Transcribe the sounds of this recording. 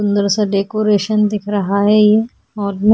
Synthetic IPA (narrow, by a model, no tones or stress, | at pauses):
ʊ̃nd̪əɾseɖeːkoːɾeːʃənd̪ɪkʰɾɐɦaɦɛje | ɔːɾm